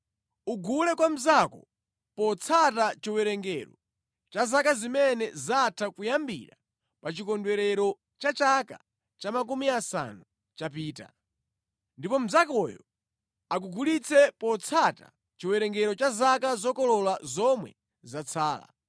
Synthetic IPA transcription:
uɡulɛkwam̩zakɔ̰ | pɔt͡sʰatat͡ʃiwɛɾɛŋɡɛɾɔ | t͡ʃazakazimɛnɛzatʰakujambḭɾa | pat͡ʃikɔndwɛɾɛɾɔ | t͡ʃat͡ʃaka̰ | t͡ʃamakumiasa̰nu | t͡ʃapiːta̰ | ndipɔm̩zakɔjɔ | ak̬uɡulit͡sʰɛpɔt͡sʰata̰ | t͡ʃiwɛɾɛŋɡɛɾɔt͡ʃazakazɔkɔlɔlazɔmwɛ̰ | zat͡sʰaːla̰

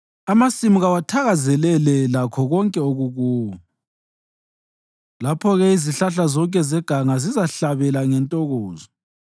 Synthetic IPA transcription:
amasimiɣawatʰaɣazɛlɛlɛlakʰɔɣɔŋkʼɛoɣuɣuːwɔ | lapʰɔɣɛiziɬaɬazɔŋkʼɛzɛɡ̥ʱaŋazizaɬaβɛlaŋɛntʼɔɣɔːzɔ

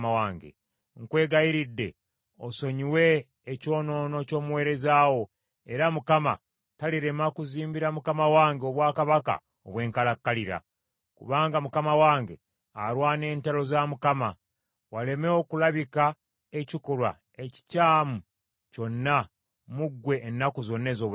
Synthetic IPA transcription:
awaːŋɡḛ | ŋkwe̞ːɡajiɾidːe̞̰ | oso̞ɲiwe̞ː | co̞ːno̞ːno̞co̞ːmuwe̞ːɾe̞zaːwo | e̞ɾamukama̰ | taliɾe̞makuziːmbiɾamukamawaːŋɡeo̞βwaːkaβaka̰ | oβwe̞ːŋkalakːaliɾa̰ | kṵβaːŋɡamukamawaːŋɡe̞̰ | a̰ɾwaːne̞ːntalo̞zamukama̰ | wale̞meokulaβika | ecikolwa̰ | e̞ci̥caːmu | co̞nːa | muɡːwe̞ʔːnːakuzo̞nːe̞ːzoːβ

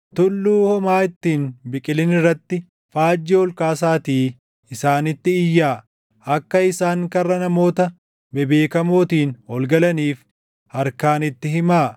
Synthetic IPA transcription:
t̪ʊlːuːhɔmaːɪt̪ːiːnbɪkʼɪlɪnɪrːɐt̪ːɪ | faːd͡ʒːɛɔlkaːs̬aːt̪iː | ɪsaːnɪt̪ːɪɪjːaː | ɐkːɐɪsaːŋkɐrːɐnɐmo̞ːt̪ɐ | bɛbeːkɐmo̞ːt̪iːnɔlɡɐlɐniːf | ɐɾkaːnɪt̪ːɪɦɪmaː

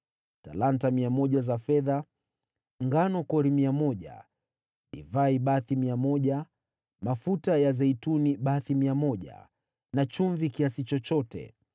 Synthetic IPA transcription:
talantamiamɔʄazafɛða | ŋɡanɔkɔɾimiamɔʄa̰ | ɗḭvaiɓaθimiamɔʄa | mafutajazɛituniɓaθimiamɔʄa̰ | nat͡ʃuɱvikiasit͡ʃɔt͡ʃɔtɛ̰

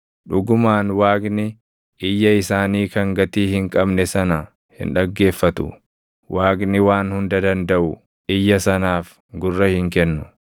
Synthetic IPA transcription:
ᶑʊɡʊmaːnwaːɡnɪ | ʔɪjːɐɪsaːniːkɐŋɡɐt̪iːhɪŋkʼɐbnɛsɐnɐ | hɪ̰nᶑɐɡːe̞ːfːɐt̪ʊ̰ | wʔaːɡnɪwaːnhʊnd̪ɐd̪ɐnd̪ɐʔʊ | ʔɪjːɐsɐnaːf | ɡʊrːɐhɪŋkɛnːʊ

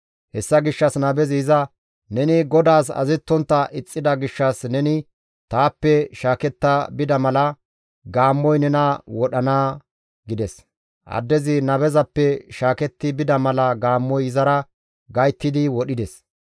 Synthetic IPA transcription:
hɛsːɐɡɪʃːɐsnɐbɛzɪzɐ | nɛnɪɡɔd̪aːs̬ɐ̰zɛt̪ːɔnt̪ːɐʔɪt͡sʼːɪd̪ɐɡɪʃːɐsnɛnɪ | t̪aːpːɛʃaːkɛt̪ːɐbɪd̪ɐmɐlɐ | ɡaːmːɔjnɛnɐwɔɗɐnaː | ɡɪd̪ɛs | ʔɐ̰d̪ːɛzɪnɐbɛzɐpːɛʃaːkɛt̪ːɪbɪd̪ɐmɐlɐɡaːmːɔjɪzɐɾɐ | ɡɐjt̪ːɪd̪ɪwɔɗɪd̪ɛs

